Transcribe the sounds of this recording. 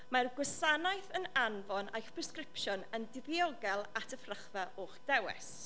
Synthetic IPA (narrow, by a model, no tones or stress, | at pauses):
marɡwɪsanajθənanvɔnʔa̰jχpʰrɛskrɪpʃʊnəndɪviɔɡɛlˠatʰəfrəχvaoːχd̥ɛwɛ̰s